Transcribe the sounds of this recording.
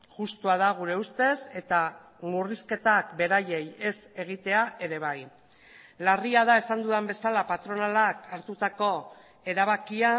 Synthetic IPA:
ʝust̪uað̞aɣ̞uɾe̞ust̪e̞se̞t̪a | muriske̞t̪akbe̞ɾaje̞je̞se̞ɣ̞it̪e̞aʔe̞ɾe̞β̞aj | lariaðae̞sand̪uðambe̞salapat̪ɾo̞nalakaɾt̪ut̪ako̞ | e̞ɾaβ̞akia

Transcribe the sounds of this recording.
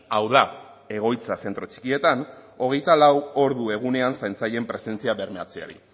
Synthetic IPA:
awða | e̞ɣ̞o̞jt͡sase̞nt̪ɾo̞t͡ʃi̥kie̞t̪ano̞ɣ̞e̞jt̪alawo̞ɾðue̞ɣ̞une̞ansajnt͡saʎe̞mpɾe̞se̞nt͡siaβe̞ɾmeat͡sea̰ɾḭ

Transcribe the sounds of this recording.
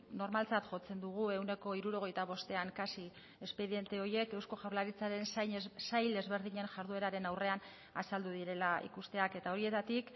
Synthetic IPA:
no̞ɾmalt͡sat̪ʝo̞t͡se̞nd̪uɣ̞ue̞wne̞ko̞iɾuɾo̞ɣ̞e̞jt̪aβ̞o̞st̪e̞aŋkasi | e̞spe̞ðie̞nt̪e̞o̞je̞ke̞wsko̞ʝawɾlaɾit͡saɾe̞nssajld̪e̞zβe̞ɾðiɲe̞nʝaɾðue̞ɾaɾe̞nawre̞an | asald̪uðiɾe̞laḭkust̪e̞ake̞t̪ao̞ɾie̞t̪at̪ik

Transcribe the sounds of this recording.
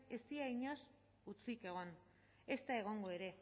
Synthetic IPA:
e̞st̪iaiɲo̞s | ut͡sike̞ɣ̞o̞n | e̞st̪ae̞ɣ̞o̞ŋɡo̞e̞ɾe̞

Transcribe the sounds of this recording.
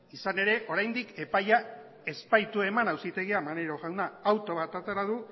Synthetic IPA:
isane̞ɾe̞ʔo̞ɾajnd̪ike̞paja | e̞spajt̪ue̞manawsit̪e̞ɣiamaneɾo̞ɣawnaːwt̪o̞βat̪at̪aɾaðu

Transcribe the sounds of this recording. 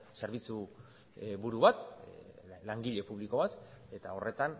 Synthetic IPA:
se̞ɾβit͡su | βuɾuβat̪ | laŋɡiʎe̞puβliko̞βat̪ | e̞t̪ao̞rʔe̞t̪an

